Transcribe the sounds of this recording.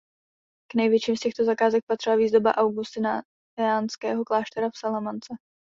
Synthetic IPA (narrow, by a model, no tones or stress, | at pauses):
knɛjvjɛt͡ʃiːmscɛxt̪o̞zakaːzɛk̚pat̪r̥ɪlaviːzdo̞ba̰ʔawɡust̪ɪna | aːnskɛːɦo̞klaːʃt̪ɛɾafsalamant͡sɛ